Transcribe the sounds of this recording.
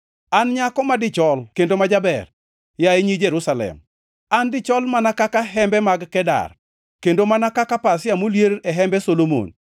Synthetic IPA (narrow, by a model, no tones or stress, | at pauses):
anɲakɔmadɪt͡ʃɔlkendomad͡ʒabɛr | jaeɲid͡ʒeɾusalɛ̰m | andɪt͡ʃɔlmanakakaɦɛmbɛmaɡkɛda̰r | kendomanakakapasjamoljeɾɛɦɛmbɛsolomo̰n